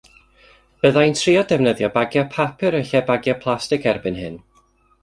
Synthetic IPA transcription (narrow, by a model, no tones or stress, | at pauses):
b̥əðajntʰriɔdɛvnəðjɔbaɡjɔpʰapʰɨɾəɬɛbaɡjɔpʰlˠastɪkʰɛrbɨnhɨ̰n